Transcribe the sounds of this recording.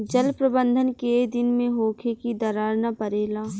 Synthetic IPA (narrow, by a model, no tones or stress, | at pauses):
d͡ʒəlpɾəbə̃nd̪ʱənked̪ɪnmẽɦoːkʰekid̪ɐɾaːɾnapɐɾeːlaː